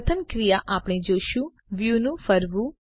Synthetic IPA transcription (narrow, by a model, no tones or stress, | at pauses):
t̪ʰəmkɾijaːʔaːpɳ̃iːd͡ʒoːʃuː | ʋjuːnũːfʰəɾʋuː